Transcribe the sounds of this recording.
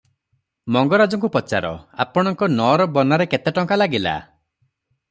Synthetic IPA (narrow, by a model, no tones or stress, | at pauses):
mɔŋɡɔɾad͡ʒɔŋk̬upɔt͡ʃaɾɔ̰a̰pɔɽ̃ɔŋkɔnɔɾɔbɔnaɾeket̪eʈɔŋkalaɡila̰